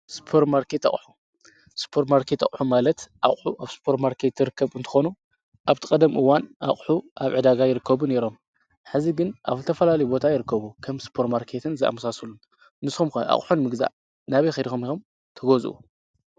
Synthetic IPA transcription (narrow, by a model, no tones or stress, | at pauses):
spʰoɾmaɾkʰet̪a̰χʼħu̥ | spʰoɾmaɾkʰet̪a̰kʼħumalɐt̪ʔa̰χʼħuʔaβspʰo̞ɾtmaɾkʰe̞t̪ːɨɾɨkʰːɐβɨnt̪ʰɨ̥xo̞nu | ʔaβt̪ʰɨkʼɐd̪ɐmʔɨwːanʔa̰kʼħuʔaβʕɨd̪aɡajɪɾɨkːɐβune̞ɾo̞m | ħɨziɡɨnʔa̰βzɨt̪ʰɐfɐlalɐjubo̞t̪ʰajɪɾɨkːɐβukʰɐmspʰo̞ɾtmaɾkʰe̞t̪ʰɨnzɨa̰mɐsasulːu | nɨsxumkɐʔa̰χʼħunmɨɡza̰ʔ | naβɐjxɐd̪ixomixom | t̪ʰɐɡozʔṵ